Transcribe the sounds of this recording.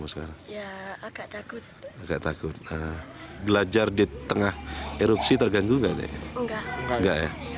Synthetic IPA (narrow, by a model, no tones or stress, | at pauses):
masə̥kaɾaŋjaɡat̪akʊt̪̚aɡaʔt̪akʊt̪̚əbəlad͡ʒardit̪əŋaheɾupsit̪ərɡaŋɡuŋɡaʔdɛ̰ʔŋɡaŋɡaʔja̰